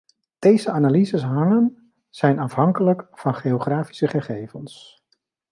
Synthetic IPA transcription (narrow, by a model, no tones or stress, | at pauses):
d̥ejzəaːnaːlizəsɦɑŋən | z̥ɛjnɑfɦɑŋkələkfɑnχeoχraːfi̥səχəχejvəns